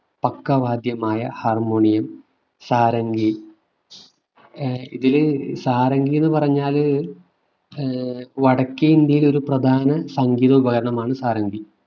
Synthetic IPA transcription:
pɐkːɐʋaːd̪jɐmaːjɐharmoːɳijɐm | saːɾɐŋɡi | iðilsaːɾɐŋɡijenːɨpɐrɐɲːaːl | ʋɐɽɐkːiɐind̪jɐjilo̞ɾuprɐd̪ʱaːnɐsɐŋɡiːðɐubɐɣɐɾɐɳɐmaːɳɨsaːɾɐŋɡi

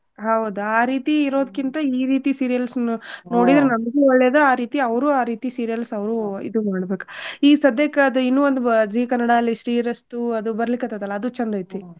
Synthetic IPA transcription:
ɦɐwd̪uaːɾiːt̪iːɾo̞ːd̪ɐkːint̪ɐiːɾiːt̪isiːɾijɐlsuno̞ːɽid̪ɾenɐmɐɡeɔɭːeːd̪ɐaːɾiːt̪iɐʋɾuːaːɾiːt̪isiːɾijɐlsɐʋɾuḭd̪umaːɽbe̞ːku̥iːsɐd̪ʱːeːkɐɐd̪uinːuʋond̪ud͡ʒiːkɐnːɐɽaɐlːiʃɾiːɾɐsʈuɐd̪ubɐɾɐlikːɐt̪ːat̪ɐlːɐːd̪ut͡ʃɐnd̪ɐjt̪i

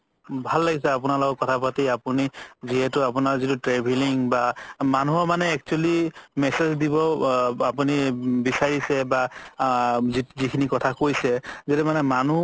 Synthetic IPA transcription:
bʱalːaɡisɛapʊnalɔkɔkɔtʰapatiapuniziɦɛtʊap̬ʊnaɹzitutɹɛbʱeliŋbamanuɦɔmanɛːk̚t͡ʃualimɛsezdibɔapunibisaɹisɛba | zizikʰinikɔtʰakojsɛzɛtɛmanɛmanu

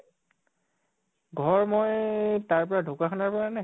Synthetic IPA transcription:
ɡʱɔɹmojtaɹpɔɹadʱʊkaxʰɔnaɹpɔɹana

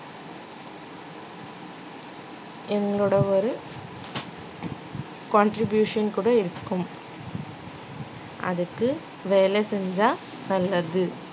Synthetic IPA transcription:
ɛŋɡɐɭuɽɐɔɾɯ | kɔɳʈɾɪbjuːʂɐnkuːɽɐɪɾɯkːɯm | ʔɐ̰ðɯkːɯ | ʋeːlesɛɲd͡ʒaː | nɐlːɐðɯ

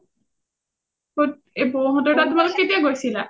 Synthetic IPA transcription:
ot | ebɔɦɔdɔtatʊmalʊkkːetijaɡojsila

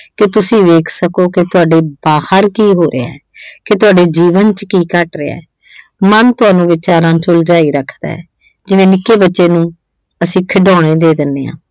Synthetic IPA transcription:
kɪt̪ʊsĩːʋeːkʰsəkoːkɪt̪ʊaːɖeːbaːhəɾkiːɦoːɾʔḛɛ̰ːkɪt̪ʊaːɖeːd͡ʒiːʋənt͡ʃkiːkəʈɾeːa̰ɛː | mənt̪ʊaːnũːʋɪt͡ʃaːɾãːt͡ʃʊld͡ʒaːiːɾəkʰd̪a̰ːɛ̰ː | d͡ʒɪʋẽːnɪkːeːbətːʃeːnũː | əsĩːkʰəɖɔ̃ːɽ̃eːd̪eːd̪ɪnːeːã̰ː

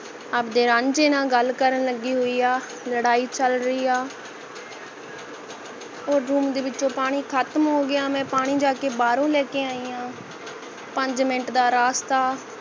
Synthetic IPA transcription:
əbd̪eːɾãːɲd͡ʒeːnãːɡəlkəɾənləɡiːɦoːiːaː | ləɽaːiːt͡ʃəlɾəiːaː | oːɾɾuːmd̪eːʋɪt͡ʃːõːpaːɽ̃iːkʰət̪mɦoːɡɪaːmɛ̃ːpaːɽ̃iːd͡ʒaːkeːbaːɾõːlɛːkeːaːiːjãː | pəɲd͡ʒmɪʈd̪aːɾaːst̪aː

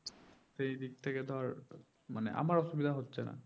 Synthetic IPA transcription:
tejdik̚tʰekɛdʱɔɹ | manɛ̰ʔa̰maɹɔsubid̪ʱaɦotsɛna̰

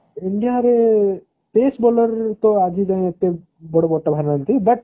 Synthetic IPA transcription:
ɪɳɖijaɾe | peːsboləɾt̪oad͡ʒid͡ʒãẽɐt̪e | bɔɽobɔʈːabʱaɾnant̪ib̪ɐʈ̚

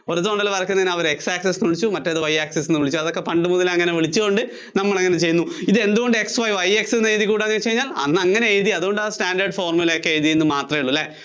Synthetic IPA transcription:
oɾut̪̬ːooɳɖɐlpɐrɐkʲːunːɐðinɐʋɐɾeksaːksesnuɭit͡ɕːumɐtːeðɨʋɐjaːksesenːɨʋiɭit͡ɕːuɐðo̞kːe̞pɐɳɖɨmuðɐlɐŋːɐneʋiɭit͡ɕːuɣoɳɖɨ | nɐmːɐɭɐŋːɐnet͡ɕe̞jːɨnːuiðɨe̞nd̪uɣo̞ɳɖɨe̞ksʋɐjʋɐjeksenːeːðikːuːɽɐŋːɐnet͡ɕe̞jiɲːaːlɐ̰nːɐŋːɐne̞eːðiɐðuɣo̞ɳɖaːsʈaːɳɖɐrɖfoːrmulɐjokːeeːðijenːɨmaːt̪rɐmiɭːulːe

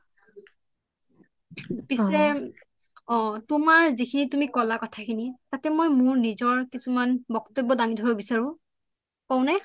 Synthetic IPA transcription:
pisɛ | ɔ̃tumaɹzikʰinitumikɔlakɔtʰakʰinitatɛmɔjmʊɹnizɔɹkisumanbɔktɔbɔdaŋidʱɔɹɔbisaɹʊ̃ | paʊnɛ

